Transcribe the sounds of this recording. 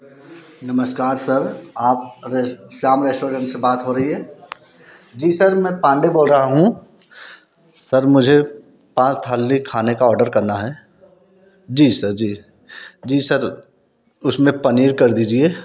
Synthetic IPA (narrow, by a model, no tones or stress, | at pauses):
nɐməskaːɾsɐɾaːp̚ɾsaːmɾeːsʈoːɾə̃ɳʈsebaːt̪ɦoɾɐɦiɦɛː | d͡ʒiːsɐɾmɛ̃ːpãːɳɖeboːlɾɐɦaɦũ | sɐɾmʊd͡ʒʱe | pãːt͡ʃt̪ʰaːlːikʰaːnekaɔːɾɖəɾkɐɾnaɦɛː | d͡ʒiːsɐɾd͡ʒiː | d͡ʒiːsɐɾ | ʊsmẽpɐniːɾkɐɾd̪iːd͡ʒieː